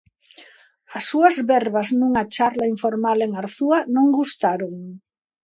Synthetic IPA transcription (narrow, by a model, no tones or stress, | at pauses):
ɐsːuɐzβɛɾβaznũŋat͡ʃaɾlaiɱfoɾmaleŋaɾθuɐnõŋɡust̪aɾoŋ